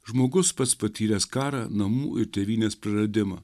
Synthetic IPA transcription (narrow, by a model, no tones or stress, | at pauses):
ʒmoːɡʊsspɐt̪spɐt̪ʲiːɾʲɛːskɑːɾɑnɐmṵːʔɪɾt̪ʲɛʋʲiːnʲeːspɾɐɾɐd̪ʲɪmɐː